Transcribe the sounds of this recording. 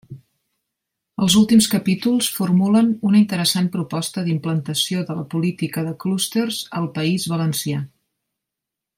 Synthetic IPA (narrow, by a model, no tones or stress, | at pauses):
əlˠzulˠt̪imskəpit̪ulˠsfurmulənunəint̪əɾəsanpɾupɔst̪əðimplənt̪əsioðələpulit̪ikəðəklust̪ərzəlˠpəizβələnsia